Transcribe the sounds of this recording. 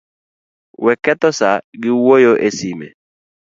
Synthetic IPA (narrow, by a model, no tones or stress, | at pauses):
wɛkɛt̪ɔsaɡɪwojoʔesimḛ